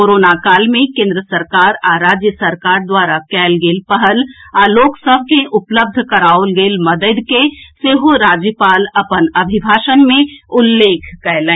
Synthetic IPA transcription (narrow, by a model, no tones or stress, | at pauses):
koːɾoːnakaːlmẽkẽːnd̪ɾəsəɾkaːɾaɾaːd͡ʒjəsəɾkaːɾd̪waːɾakɛːlɡeːlpəɦəlaːloːksəb̚ʱkẽʔʊpləb̚d̪ʱkɐɾaːʊlɡeːlmɐd̪əd̪keseːɦoɾaːd͡ʒjəpaːlɐpənɐbʱɪbʱaːʃənmẽʊlːeːkʰkɛlɛ̃ː